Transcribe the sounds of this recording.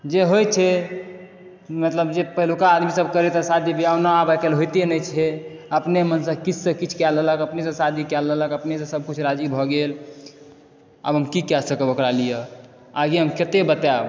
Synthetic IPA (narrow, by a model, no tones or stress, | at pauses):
d͡ʒeɦojt͡ʃʰɛ | mət̪ləbd͡ʒepəɦlukaːd̪misəb̚ʱkəɾet̪əsad̪ʱibʱiawnaabakelɦojt̪enət͡ʃʰɛ | əpnemənsə̃kit͡ʃʰsə̃kit͡ʃʰkɛlələkəpnes̬ə̃sad̪ʱikɛlːələkəpnesə̃səb̚kut͡ʃʰɾad͡ʒibʱɔɡel | a̰bʱɦəmkikɛsəkəbəkɾalijə | aɡiɦəmket̪ebət̪ab